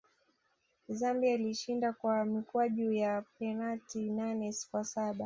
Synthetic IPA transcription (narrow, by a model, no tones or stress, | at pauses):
zambiailiʃindakwamikuaʄuːjapɛnaltinanɛsi̥kwasaɓa